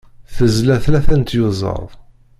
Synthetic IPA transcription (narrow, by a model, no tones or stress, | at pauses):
θəzlæθlæθænt̪jʊzˤə̰ɾˤ